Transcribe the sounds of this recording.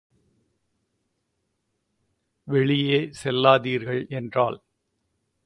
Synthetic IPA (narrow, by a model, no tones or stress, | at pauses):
ʋɛɭɪjeːsɛlːaːðiːɾɣɐɭɛndra̰ːɭ